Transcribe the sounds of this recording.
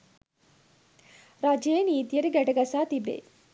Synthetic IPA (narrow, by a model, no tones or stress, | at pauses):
ɾaːd͡ʒjɐjeniːt̪ijəɾiɡɛʈɐɡɐsaːt̪ibḛ